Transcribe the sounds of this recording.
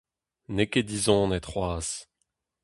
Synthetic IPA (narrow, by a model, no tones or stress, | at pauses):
neked̪izɔ̃nɛt̪χwaːs